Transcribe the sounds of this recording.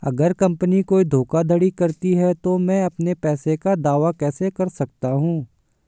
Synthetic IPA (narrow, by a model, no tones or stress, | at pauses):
ɐ̰ɡəɾkɐ̃mpənikoːid̪ʱoːkad̪ʱɐɽikɐɾt̪iɦɛt̪omɛ̃ːɐpnepɛːsekad̪aːʋakɛːsekɐɾsɐk̚t̪aɦũː